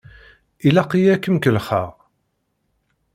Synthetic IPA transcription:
ilæqijækːəmkəlχa̰ʁ

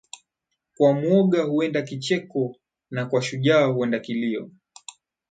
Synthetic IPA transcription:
kwamwɔɠahuɛndakit͡ʃɛkɔ | nakwaʃuʄaːhuɛndakiliɔ̰

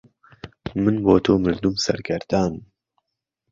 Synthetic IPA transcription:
mɨnboːt̪ʰoːmɨld̪umsɐ̰ɾɡɐɾd̪aːnm

